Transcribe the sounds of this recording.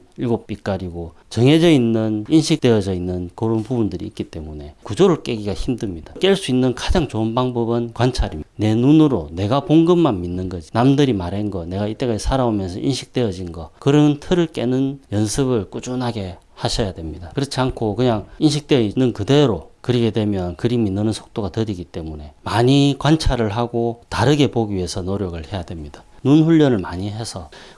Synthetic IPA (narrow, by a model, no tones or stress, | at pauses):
iɭɡop͈ik͈aɾiɡo | t͡ɕʌŋɦe̞d͡ʑʌinːɯninɕʰik̚t͈eʌd͡ʑʌinːɯnkoɾonpubundɯɾḭik͈it͈e̞mune̞kud͡ʑoɾɯɭk͈e̞ɡiɡaçimdɯmɲid̥ak͈e̞ɭs͈uinːɯnkad͡ʑaŋt͡ɕoɯnbaŋbʌbɯnkwant͡ɕʰaɾimne̞nunɯɾone̞ɡapoŋɡɯmːanminːɯnɡʌd͡ʑinamdɯɾimaɾenɡʌne̞ɡait͈e̞kad͡ʑisʰaɾaomjʌnsʰʌʔinɕʰi̥k̚t͈e̞ʌd͡ʑinɡʌkɯɾʌntʰɯɾɯɭk͈e̞nɯnjʌnsʰɯbɯɭk͈ud͡ʑunɦaɡe̞ | haɕʰʌjadwe̞mɲidakɯɾʌt͡ɕʰiankʰokɯɲaŋinɕ̬ʰik̚t͈einːɯnkɯde̞ɾokɯɾiɡe̞dwe̞mjʌnkɯɾiminːɯnɯnsʰo̥k̚t͈oɡatɯɾiɡit͈e̞mune̞maɲikwant͡ɕʰaɾɯɭɦaɡotaɾɯɡe̞poɡiɥie̞sʰʌnoɾjʌɡɯɭhe̞jadwe̞mɲid̥ḁnunɸuʎːʌnɯɭmaɲiɦesʰʌ